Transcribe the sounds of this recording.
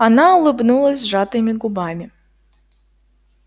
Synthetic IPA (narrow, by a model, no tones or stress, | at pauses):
anaɔlˠɨbnulˠɐzʲʐat̪ɨmʲiɡubamʲi